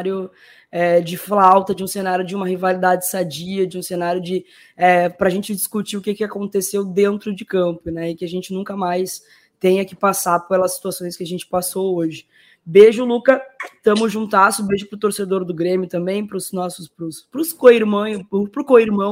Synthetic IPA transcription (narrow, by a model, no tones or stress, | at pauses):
ɾjʊ | ɛd͡ʒɪflawt̪ɐd͡ʒɪũsenaɾjʊd͡ʒɪũmɐhivalid̪ad͡ʒd͡ʒɪsad͡ʒiɐd͡ʒɪũsenaɾjʊd͡ʒɪ | ɛpɾɐʒẽnt͡ʃɪd͡ʒiskut͡ʃiʊkɪkɪakõnt̪esewd̪ẽnt̪ɾʊd͡ʒɪkɐ̃mpʊnɛɪkɪaʒẽnt͡ʃɪnũkɐmajs | t̪ẽj̃ɐkɪpasaɾpelɐsːi̥t̪uasõj̃skɪaʒẽnt͡ʃɪ̥pasowoʒɪ | beʒʊlukɐt̪ɐ̃mʊzʒũnt̪asʊbeʒʊpɾʊt̪oɾsed̪oɾd̪ʊɡɾẽmjʊt̪ɐ̃mbẽj̃pɾʊznɔsʊspɾʊspɾʊskoiɾmɐ̃pʊpɾʊkoiɾmɐ̃w̃